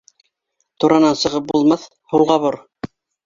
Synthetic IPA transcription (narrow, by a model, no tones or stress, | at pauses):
t̪uɾɑnɑnsɤ̆ʁɤp̚bulˠmɑθ | hulˠʁɑβoɾ